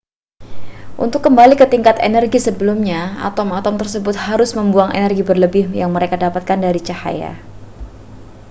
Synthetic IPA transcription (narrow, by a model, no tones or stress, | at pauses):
ʔṵnt̪ʊkːəmbalikət̪iŋkat̪enɛrɡisəbəlumɲaa̰t̪ɔmat̪ɔmt̪ərsəbʊt̪̚haɾʊsməmbuaŋʔḛnɛrɡibərləbɪhjaŋməɾekadapat̪̚kandaɾit͡ʃaha̰ja̰